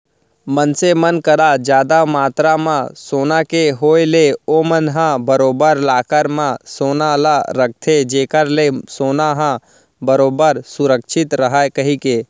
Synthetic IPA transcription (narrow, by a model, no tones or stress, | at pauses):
mənsemənkəɾad͡ʒjaːd̪amaːt̪ɾamãsoːnakeɦoːeleomənɦãbəɾoːbəɾlaːkəɾmãsoːnalaɾək̚ʰt̪ʰed͡ʒeːkəɾlesoːnaɦã | bəɾoːbəɾsʊɾəkʃʰɪt̪ɾəɦaekəɦikeː